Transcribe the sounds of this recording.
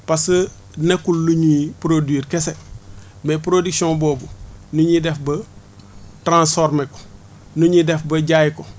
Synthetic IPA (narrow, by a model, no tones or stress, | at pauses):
pasə | nekulːuɲipɾodwiɾkese | mepɾodiksõnboːbunuɲidɛfbɐ | tɾãnsfoɾmeko̥ | nuɲidɛfbɐɟajiko